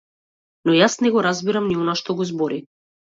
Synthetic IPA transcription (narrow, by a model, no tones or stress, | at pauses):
nɔjasnɛɡɔɾazbiɾamniɔnaʃt̪ɔɡɔzbɔɾi